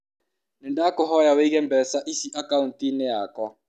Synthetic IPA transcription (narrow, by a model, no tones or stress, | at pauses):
nɪdaːkɔɦɔjaweiɣɛm̩bɛsaʔisiʔakaun̩tineakɔ